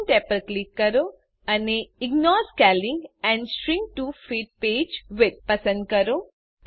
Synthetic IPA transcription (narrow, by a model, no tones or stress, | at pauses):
nʈepəlklikːɐɾo | ɐneːiɡnɔːɾskɛlĩŋɡɛ̃ɳɖsʈɾĩŋɡ̚ʈuːfiːʈ̚peːd͡ʒʋɪd̪̚pɐsɐ̃ɳʈ̚kɐɾo